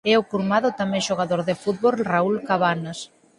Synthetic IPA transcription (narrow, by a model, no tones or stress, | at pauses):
ɛʊkuɾmaðʊt̪amɛ̃ŋʃoɣaðoɾðɪfut̪̚βolraulkaβanas